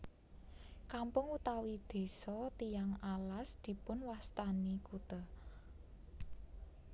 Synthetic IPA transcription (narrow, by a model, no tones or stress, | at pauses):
kampʊŋut̪awid̪̥e̤sɔt̪ijaŋalasd̪̥i̤pʊnwast̪anikut̪a